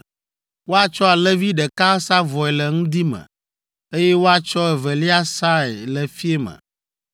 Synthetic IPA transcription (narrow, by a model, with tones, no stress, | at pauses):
wo˦a˦t͡ʃɔ˦a˨lɛ˦vi˦ɖɛ˨ka˦sa˦vɔ˨ɛ˨lɛ˨ŋũ˦d̪i˦mɛ̰̃˨ | e˦jɛ˦wo˦a˨t͡ʃɔ˦ɛ˨vɛ˨li˦a˦sa˦ɛ˨lɛ˨fi˦e˦mə̰̃˨